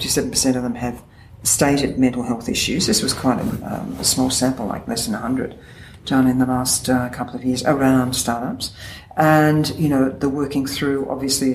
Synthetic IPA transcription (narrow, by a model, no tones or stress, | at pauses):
ɪftisɛvn̩pʰə˞sɛ̃ɾ̃ʌvðə̃mɨv̥ | steɪɾɨd̚mɛ̃ntˡl̩ˠɦɛlˠθɪ̰ʃʉzðɪswʌz̥kʰw̥aɪ̃ɾɨ̰ʌ̰̃ə̰smɔlˠsæ̃mpl̩ˠla̰ɪk̚lɛsðɨ̃nəhʌ̃ndɹɨ̰d̚ | d̥ʌ̃nɨ̃nðəlæstkʰʌpl̩ˠʌvjɪɹzə̰˞ãʊ̃nd̥stɑɹɾʌps | ɨ̃njɨnoʊðəwɜ˞kɪ̃ŋθɹʉʔɑ̰bviɨsli